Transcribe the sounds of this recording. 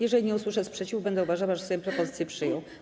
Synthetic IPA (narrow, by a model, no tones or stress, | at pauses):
jɛʐɛlʲiɲɛuswɘʂɛspʂɛt͡ɕivbɛnd̪ɛuvaʐawaʐɛsɔjɔ̃pɾɔpɔzɘt̪sʲjɛpʂɘjɔ̃w̃